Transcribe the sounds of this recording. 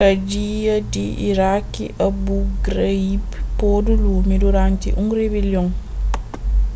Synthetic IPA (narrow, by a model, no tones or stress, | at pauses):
ad͡ʒijadiʔiɾakːḭʔabuɡɾaibpodulumiduɾantḭʔuŋɾebeljɔŋ